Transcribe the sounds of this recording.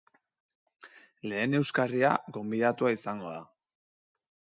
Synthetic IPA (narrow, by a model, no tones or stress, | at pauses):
le̞ːne̞wskaria̰ɡo̞mbiðat̪uaisaŋɡo̞ða